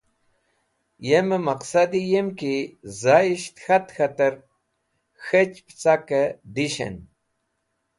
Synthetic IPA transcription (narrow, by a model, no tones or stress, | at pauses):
jeməmaqsad̪ijemkizajiʃt̪xat̪xat̪əɾ | xet͡ʃpt͡sakəd̪iʃḛn